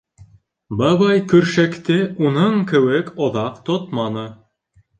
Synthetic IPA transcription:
bɑβɑjkɵ̆ɾʃækt̪ɘʔunɤɴkɘ̆wɘkŏðɑqt̪ot̪mɑnɤ

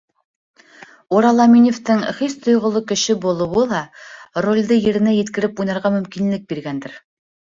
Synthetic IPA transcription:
uɾɑlˠɑmʲinʲeft̪ɘŋχist̪ʰŏjʁŏlˠokɘ̆ʃɘbulˠɤ̆wɤlˠɑrolʲd̪ɤjɘ̆ɾɘ̆næjɘ̆t̪kɘ̆ɾɘpujnɑɾʁɑmɵ̆mkinlɘk̚biɾɡænd̪ɘɾ

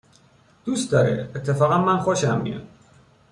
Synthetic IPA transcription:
d̪̥ust̪d̪ɒːɾḛet̪ʰːefɒːɣænmænxoʃæmːḭo̰

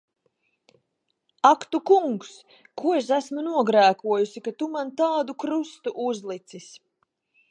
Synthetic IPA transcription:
akt̪ukuŋks | kuɔes̬æsmunuɔɡɾæːkuɔjusikat̪umant̪aːd̪ukɾust̪uʔuzlˠit̪sis

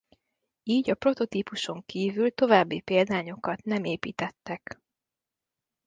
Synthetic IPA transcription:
iːɟɒpro̞t̪o̞t̪iːpuʃo̞ŋkiːvylt̪o̞vaːbːipeːld̪aːɲo̞kɒt̪nɛmeːpḭːt̪ɛt̪ːɛk

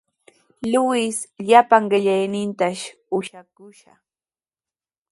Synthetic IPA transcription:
lʊwɪsʎapaŋɢɪʎajnɪnt̪aʃ | ʊʃakʊʃa̰

